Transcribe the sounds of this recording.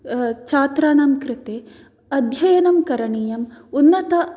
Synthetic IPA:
t͡ʃaːt̪ɾaːɳɐmkɾɪt̪eː | ɐd̪ʱjɐjɐnɐmkɐɾɐɳiːjɐmunːɐt̪ɐ

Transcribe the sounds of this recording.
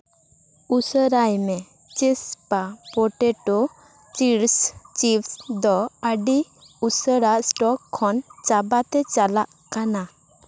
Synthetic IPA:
usəɾajmɛ | t͡ʃɛspapɔʈɛʈɔ | t͡ʃiɾst͡ʃipsd̪ɔəɖi | usəɾaʔsʈɔkʰːɔnt͡ʃabat̪ɛt͡ʃalaʔ | kana

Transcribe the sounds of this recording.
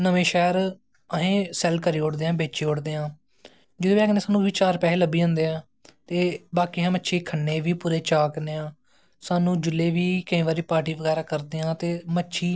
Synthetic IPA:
nəʋẽːʃɛːɾ | əɦẽːsɛlkəɾiːoɽd̪eːãːbeːt͡ʃeːoːɽd̪eːãː | d͡ʒɪd̪oːbiaːknẽːsaːnũːʋiːt͡ʃaːɾpɛːeːləbiːɦõnd̪eːãː | t̪eːbaːkiːɦãːmətːʃʰeːkʰənːeːʋiːpʊɾeːt͡ʃaːkneːãː | saːnũːd͡ʒʊleːʋiːkəĩːʋaːɾiːpaːʈiːʋəɡɛːɾaːkəɾd̪eːãːt̪eːmətːʃʰiː

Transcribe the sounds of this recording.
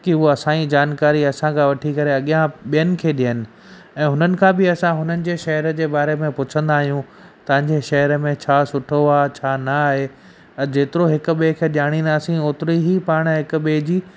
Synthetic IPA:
kɪɦuɐsãid͡ʑaːnkaːɾiɐsãkʰãʋɐʈʰikɐɾeɐɠijãɓijənɪ̆kʰeːɗijənɪ̆ | ɛ̃ːɦʊnənɪ̆kʰãːbɪɐsãɦʊnənɪ̆d͡ʑeːʃɐɦəɾəd͡ʑeːbaːɾemẽpʊt͡ɕʰə̃nd̪aːɦijũ | t̪ɐʋɪ̃ɲ̆d͡ʑeːʃɐɦəɾəmẽt͡ɕʰaːsʊʈʰoaːt͡ɕʰaːnɐːɦe | ɐd͡ʑeːt̪ɪɾoɦɪkʊ̆ɓeːkʰeːɗɪjaːɽ̃ĩnd̪aːsĩoːt̪ɪɾiɦipaːɽ̃ɦɪkʊ̆ɓeːd͡ʑiː

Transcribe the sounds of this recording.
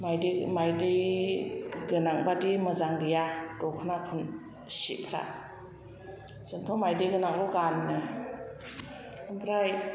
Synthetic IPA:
majdimajdɯj | ɡɯnaŋbadimɯzaŋɡɯjad̥ɔkʰɯnapʰɯn | sḭpʰɾa̰ | sɯntʰɔmajdɯjɡɯnaŋlɔɡanːɯ | ɯmpʰɾaj

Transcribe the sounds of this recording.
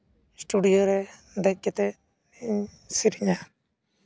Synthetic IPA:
sʈuɖijoɾɛ | d̪ɛkːɛt̪ɛ | niɲ | siɾiɲa

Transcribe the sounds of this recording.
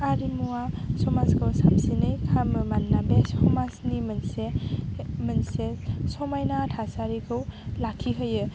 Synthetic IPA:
aɾimuwasɔmasɡʰɯwsamsinɯjkʰamɯmanːabeshɔmasnimɯnse | mɯnsesɔmajnatʰasaɾikʰɯwlakʰːiɦɯjɯ

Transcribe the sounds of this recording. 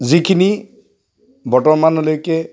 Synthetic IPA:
zikʰini | bɔtɔɹmanolojkɛ

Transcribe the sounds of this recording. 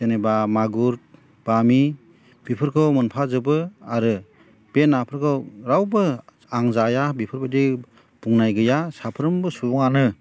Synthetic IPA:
enebamaɡuɾ | b̥ami | b̥ipʰɯɾkʰɯwmɯnpʰazɯbɯaɾɯ | b̥enːapʰɯɾkʰɯwɾawbɯ | aŋzajabipʰɯɾbadi | b̥uŋnajɡɯjasapʰɯɾɯmbɯsubɔŋanɯ

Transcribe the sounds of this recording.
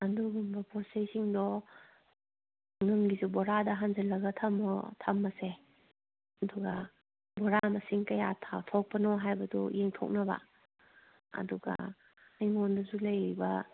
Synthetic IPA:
ɐnduɡumbɐpɔsejsiŋdɔ | ŋɯmɡizubɔɾadɐɦanzɐlɐɡɐtʰɐmɔ̰tʰamːɐse | ɐduɡɐ | bɔɾamɐsiŋkɐjatʰawtʰɔk̚pɐnɔɦajbɐdɔ̰jeŋtʰɔ̰k̚nɐbɐ̰ | ɐ̰duɡɐ̰ | ɐjŋɔndɐsulɐjɾibɐ

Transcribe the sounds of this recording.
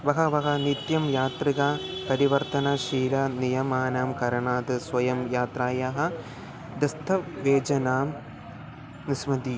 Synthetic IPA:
ʋɐɦɐʋɐɦɐnit̪jɐmjaːt̪riɣɐpɐɾiʋɐrt̪ɐnɐʂiːɾɐnijɐmaːnaːmkɐɾɐɳaːd̪ɨsʋɐjɐmjaːt̪raːjaɦɐ | d̪ɐst̪ʰɐʋeːd͡ʑɐnaːm | nismɐd̪i

